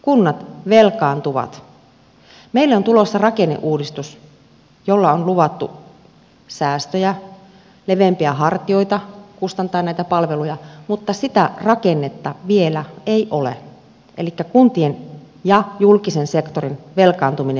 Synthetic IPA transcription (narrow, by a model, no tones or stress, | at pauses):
kunːɑt̪ʋelkɑːnt̪uʋɑ̰t̪ | meilːæont̪ulosːɑrɑkenːḛʔuːdist̪us | jolːɑonluʋɑt̪ːu | sæːst̪øjæ | leʋempiæɦɑrt̪ioit̪ɑkust̪ɑnt̪ˑɑːnnæˑit̪æpɑlʋelujɑmut̪ːɑsit̪ærɑkenːet̪ːɑʋielæeiʔolḛ | ʔelikːækunt̪ien | jɑjulkisensekt̪orinʋelkɑːnt̪umine